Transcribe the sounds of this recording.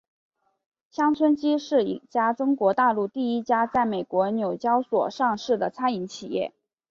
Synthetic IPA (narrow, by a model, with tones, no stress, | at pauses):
ɕjɑ˥ŋt͡sʰwə˥nt͡ɕi˥ʂɻ̩˥˩ḭ˨˩t͡ɕja˥ʈ͡ʂʊ˥ŋkwɔ˧˥t̪a˥˧lu˥˧t̪i˥˩i˥t͡ɕja˥t͡sa˥˩ɪme˨˩ɪkwɔ˧˥njo˨˩ʊt͡ɕjɑ˥ʊswɔ̰˨˩ʂɑ˥˧ŋʂɻ̩˥˩d̪ə˩t͡sʰa˥ni˧˥ŋt͡ɕʰi˨˩jɛ̰˥˩